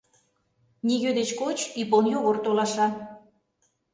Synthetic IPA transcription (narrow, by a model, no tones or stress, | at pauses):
niɣød̪et͡ɕkot͡ɕiponjoɣort̪olɑʃɑn